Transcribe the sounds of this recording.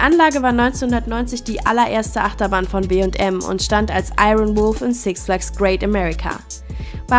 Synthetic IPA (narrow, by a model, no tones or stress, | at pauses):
diːʔanlaːɡəvaːɐnɔʏnt͡senhʊndɐtnɔʏnt͡sɪçd̥iːʔa̰lɐʔeːɐstəʔaχtɐbaːnfɔnbeːʊntʔɛmʊ̰ntʃtantalsʔa̰ɪʁənvʊlfɪnsɪkslaksɡ̥ʁeɪtamɛʁɪkʰa̰ | v̥a